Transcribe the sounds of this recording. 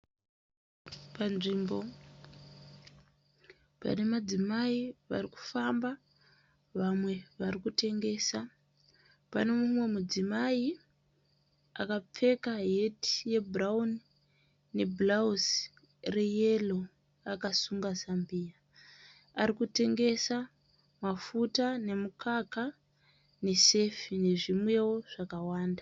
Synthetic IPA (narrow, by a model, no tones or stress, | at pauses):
panʐimbo̞ | pa̰ne̞mad͡zimaiʋa̰riku̥famba | ʋamwe̞ʋarikute̞ŋɡe̞ːsa | pa̰ne̞mumwe̞mud͡zimai | akap͡fe̞kaɦe̞ti̥je̞braunː | e̞blaus | reje̞lo̞ | akasuŋɡazambiːa | aɾikute̞ŋɡe̞sa | mafutane̞mukʰaka | ne̞se̞fine̞ʐimwe̞wo̞ʐ̥akawaːnda